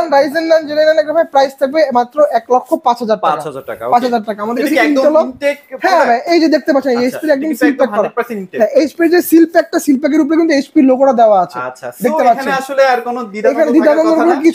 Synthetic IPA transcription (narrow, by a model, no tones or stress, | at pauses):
nɾajzenland͡ʑelenenɛkɾafaepɾajst̪ʰebemat̪ːɾoʔɛklokʰːopãt͡ɕɦad͡ʑaɾʈakaaãt͡ɕɦad͡ʑaɾʈakaamad̪eɾkesiɔloekhɛ̃bɛ̃ejd͡ʑed̪ek̚t̪ep̬atːt͡ɕʰenejespiɾeɛkd̪onsilpɛkkkːɔɾaɦɛ̃espiɾd͡ʑesilpɛk̚ʈasilpɛk̬eɾupoɾek̬int̪uespiɾlokoɽad̪eoaat͡ɕʰed̪ekkt̪epaaʃoleaɾkonod̪iekʰaned̪id̪aɔnɡ̪oɾoɾok̬it͡ɕʰ